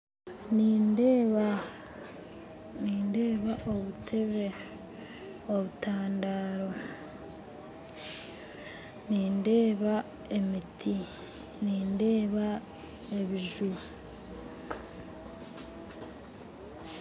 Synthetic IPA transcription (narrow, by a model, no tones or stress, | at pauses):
nind | niːnde̞ːβaʔo̞βutʰe̞βe̞ | o̞βutaːndaːɾo̞ | niːnde̞ːβa | e̞mitʰi | niːnde̞ːβa | e̞βiʒuɾu